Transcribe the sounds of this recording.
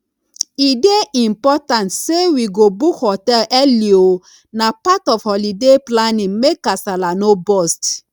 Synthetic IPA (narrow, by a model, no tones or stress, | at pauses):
ideʔĩmpɔtãntsewiɡobukhɔtɛlʔɛlio | napatɔfhɔlideplanĩŋmekːasalanobɔst